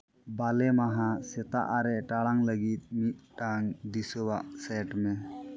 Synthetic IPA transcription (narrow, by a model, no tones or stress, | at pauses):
balɛmaɦãsɛt̪a̰ʔaɾɛʔʈaɽaŋləɡit̪̚ˀmit̪̚ˀʈaŋd̪isɔbaʔsɛʈmɛ